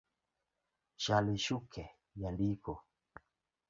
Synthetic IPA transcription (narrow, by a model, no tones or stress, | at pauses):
ʃaliʃukʰɛ | jandikɔ